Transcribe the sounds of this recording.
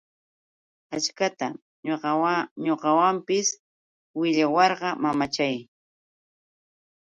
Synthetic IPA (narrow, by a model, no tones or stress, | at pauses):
at͡ʃkat̪a̰ | ɲoɢɑwampɪs | wɪʎawɑɾɢɑmamat͡ʃaj